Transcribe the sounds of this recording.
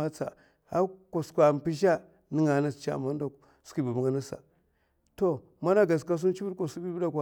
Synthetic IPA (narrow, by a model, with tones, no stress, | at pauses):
a˦t͡sa̰˨ | ha˦ko˨skʷa˨m˨pi˦ʃ̬a˦ | ni˦ŋa˨˦na˦st͡ʃa̰˨ma˦n˦da˨ | si˦˨ba˨bŋɡa˦na˦sa̰˨ | to˦ | ma˦na˦ɡa˨s̬ka˦s̬u˦n˦t͡ʃi˦bu˦ko˨su˦bi˦bda˦ka˨